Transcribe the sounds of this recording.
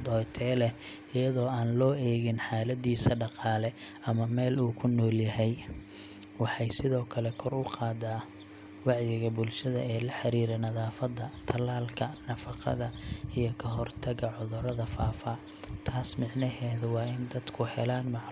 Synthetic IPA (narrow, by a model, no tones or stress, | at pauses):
d̪ɔjt̪ʰɛːlɛ | ɪjɐðɔːaːnlɔːɛːɣɪnħaːlɐd̪iːsɐɖɑqɑːlɛ | ɐmɐmɛːluːkʰʊnːɔːljɐɦɛj | wɑħɑjsɪðɔːkʰɐlɛkʰɔrʊqʰɑːd̪aː | wɑʕjɪɣɐbʊlʃɐðɐ̰ɛːlɐħɑɾiːɾɛnɐðaːfɐd̪ɐt̪ʰɐlaːlkʰɐnɐfɑqɑ̰ðɐijɞkʰɐɦɔrt̪ʰɐɣɐʕʊðʊɾɐðɐfaːfɐ | t̪ʰaːsmɪʕnɐɦɛːðʊwɑːɪnd̪ɐd̪kʰʊhɛ̰laːnmɑʕ